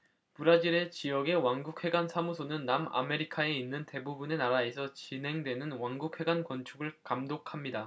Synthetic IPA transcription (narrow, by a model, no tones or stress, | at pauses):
puɾad͡ʑiɾe̞t͡ɕijʌɡe̞waŋɡuk̚ʰhe̞ɡansʰamusʰonɯnːama̰me̞ɾikʰae̞inːɯnte̞bubune̞naɾae̞sʰʌt͡ɕinɦe̞ŋdwe̞nɯnwaŋɡuk̚ʰwe̞ɡankwʌnt͡ɕʰuɡɯɭkamdokʰamɲida